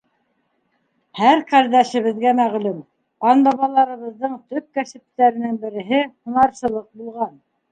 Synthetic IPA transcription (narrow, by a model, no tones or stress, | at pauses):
hæɾqæɾd̪æʃɘ̆βɘ̆ðɡæmæʁlʉm | ɑnbɑβɑlˠɑɾɤ̆βɤ̆ððɤɴt̪ɵk̚kæsɘ̆p̚t̪ːæɾɘ̆nɘŋbɘ̆ɾɘ̆ɦɘhɤ̆nɑɾsɤ̆lˠɤq̚bulˠʁɑn